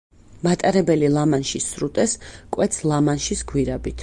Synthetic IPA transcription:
mat̪ʼaɾɛbɛlilˠamanʃisɾut̪ʼɛskʼwɛt̪sʰlˠamanʃisɡwiɾabit̪ʰ

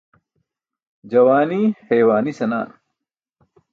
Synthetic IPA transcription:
d͡ʒɐʋaːniːheːʋaːnisɐna̰ːn

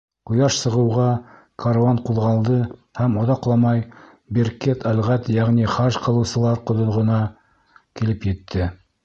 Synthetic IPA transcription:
qŏjɑʃsɤ̆ʁɤ̆wʁɑ | kʰaɾɑɴquðʁɑlˠd̪ɤhæmŏðɑqlˠɑmɑj | biɾket̪ʰælʁæt̪jæʁniχɑʃqɤ̆lˠɤ̆wsɤ̆lˠɑɾqŏðŏʁɤ̆nɑ | kilɘpjɘ̆t̪ʰːɘ

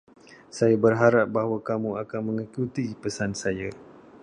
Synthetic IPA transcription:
sajabərɦaɾap̚baɦwakamuakanmə̃ŋikut̪ipəsansaja

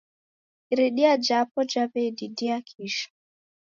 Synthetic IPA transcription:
iɾiɗiad͡ʒapɔd͡ʒaβɛdidiakʰiʃḁ

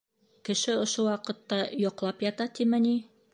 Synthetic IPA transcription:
kɘ̆ʃɘŏʃowɑqɤ̆t̪ːɑjŏqlˠɑpjɑt̪ɑt̪imæni

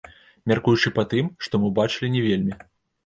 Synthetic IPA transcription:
mʲarkujut͡ʂɨpat̪ɨmʂt̪ɔmɨbat͡ʂɨlʲinʲɛvʲelʲmʲi

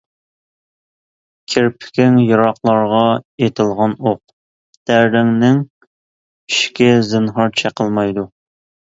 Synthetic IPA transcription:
kʲʰɪɾpʰɪ̥kʲɪŋjɑɾɑqlˠɑɾʁɑet̪ʰɪlˠʁɑnoq̚ | d̪̥æɾɾɪŋnɪŋ | i̥ʃkʲɛzɨnɦɑɾt͡ʃʰɛqʰəlˠmɑjd̪u

